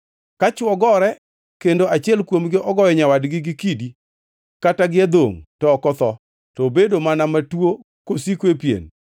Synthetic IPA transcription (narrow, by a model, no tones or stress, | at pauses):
kat͡ʃɔɡɔɾɛ | kendoʔat͡ʃɪɛlkwomɡɪʔɔɡɔjɛɲawadɡɪɡɪkidi | kataɡɪad̪o̰ŋtɔːkɔt̪ɔ | tobedomanamatwo | kosikwepjḛn